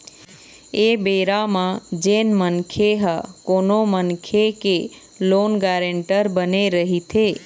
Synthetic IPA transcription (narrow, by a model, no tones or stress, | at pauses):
ebeɾamãd͡ʒenmənkʰeɦəkonomənkʰeke | lonɡaɾəɳʈəɾbəneɾəɦit̪ʰe